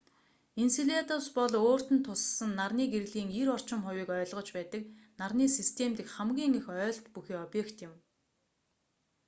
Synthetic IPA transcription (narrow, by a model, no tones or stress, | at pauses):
insiɮʲet̪ɔwspɔɮoːr̥t̪ɘ̆nt̪ʰːʊssə̆nːarniːɡeɾɣɮiːŋiɾɔr̥t͡ɕɪ̆mχʊwiːkœːɮʁɞ̆t͡ɕpæːt̪ə̆k̚narniːsist̪ʰemt̪ɘ̆kχæmɡʲiːŋixœːɮt̪puxiːɔpjekt̪jɪ̆m